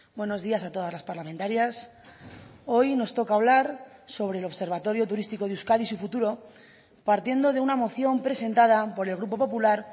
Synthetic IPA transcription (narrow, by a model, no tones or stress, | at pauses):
bweno̞zðiasat̪o̞ðazlaspaɾlament̪aɾjas | o̞jno̞st̪o̞kaːβ̞laɾso̞βɾe̞ːlo̞βse̞ɾβat̪o̞ɾjo̞t̪uɾist̪iko̞ðeuskaðisufut̪uɾo̞ | paɾt̪je̞nd̪o̞ð̞e̞unamo̞θjo̞mpɾe̞se̞nt̪að̞apo̞ɾe̞lɣ̞ɾupo̞po̞pulaɾ